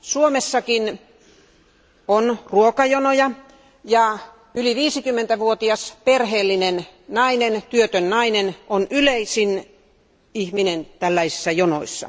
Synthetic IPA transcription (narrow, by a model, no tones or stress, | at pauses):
suomesːɑkin | onruokɑjonojɑ | jɑ | yliʋiːsikymːent̪æʋuot̪iɑsperheːlːinennɑinent̪yøt̪ønːɑinenonyleisin | ihminent̪ælːæisisːɑjono̰isːɑ̰